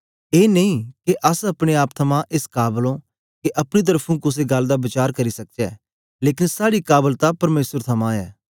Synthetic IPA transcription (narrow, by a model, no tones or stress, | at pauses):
eːneĩkeʔɐsɐpɽ̃eaːpt̪ʰɐmãʔɪskaːblõ | keʔɐpɽ̃it̪̬əɾpʰũkʊs̬eɡɐld̪aːbɪt͡ʃaːɾkɐɾisɐk̚d͡ʒɛː | leːkɪnsaːɽikaːbəlt̪apɐɾmeːsəɾt̪ʰɐmãːɛ̰ː